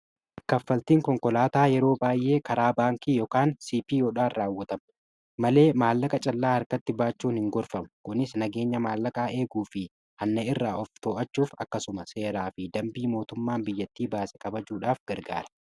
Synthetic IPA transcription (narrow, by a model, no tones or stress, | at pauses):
kɐfːɐlt̪iːŋkɔŋkɔlaːt̪aːjɛɾo̞ːbaːjʔe̞ːkɐɾaːbaːŋkiːjɔkaːnsiːpiːjoːᶑaːnraːwːɐt̪ɐm | mɐle̞ːmaːlːɐkʼɐt͡ʃʼɐlːaːhɐɾkɐt̪ːɪbaːt͡ʃːuːnhɪŋɡɔɾfɐmɐkʊnɪsnɐɡe̞ːɲːɐmaːlːɐkʼaːʔe̞ːɡuːfɪ | ʔɐnːɐɪrːaːʔɔft̪oːʔɐt͡ʃːuːfɐ̰kːɐsʊmɐse̞ːɾaːfɪd̪ɐmbiːmo̞ːt̪ʊmːaːmbɪjːɐt̪ːiːbaːsɛ̥kɐbɐd͡ʒuːᶑaːfɡ̥ɐɾɡa̰ːɾɐ̥